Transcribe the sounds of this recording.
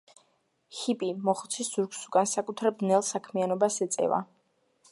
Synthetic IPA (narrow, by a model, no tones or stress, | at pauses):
hipʼimɔχt̪sʰisz̥uɾksuɡʼansakʼut̪ʰɾabnɛlˠsakʰmianɔbasɛt̪sʼɛ̰va̰